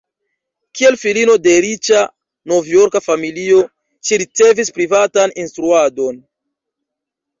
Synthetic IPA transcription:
kie̞lfilino̞de̞ɾit͡ʃa | no̞vjo̞ɾkafamilio̞ | ʃiɾit͡se̞vispɾivataninstɾuado̞n

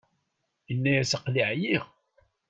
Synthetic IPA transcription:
ənːæjæsəqliʕjiʁ

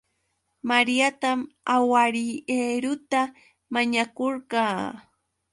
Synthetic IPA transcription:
maɾijat̪amawaɾieːɾʊt̪a | maɲakoɾɢɑː

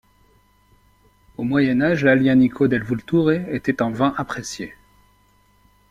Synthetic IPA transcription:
omwajɛnaʒlaljanikʰod̪ɛlvult̪uʁeːt̪ɛt̪ɛ̃vɛ̃ʔapχesje

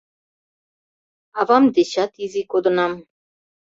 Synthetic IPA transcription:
ɑvɑmd̪eɕɑt̪izikod̪ŏnɑm

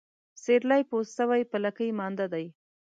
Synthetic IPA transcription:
seɾlajpost̪əwajpəlakəjmɑnd̪ad̪aj

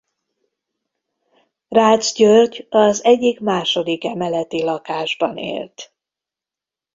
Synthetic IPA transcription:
raːd̪zɟørɟɒzɛɟːikmaːʃod̪ikɛmɛlɛt̪ilɒkaːʒbɒ̰nḛːlt̪

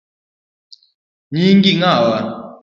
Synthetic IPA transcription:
ɲiŋkiŋawa

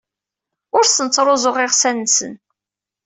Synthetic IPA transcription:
ʊɾsənt͡sːɾˤozˤoʁɪʁsænːsə̰n

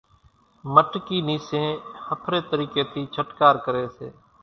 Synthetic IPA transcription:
məʈkiːniːsẽːhəpʰɾeːt̪əɾiːkeːt̪ʰiːt͡ʃʰəʈkaːɾkəɾeːsḛː

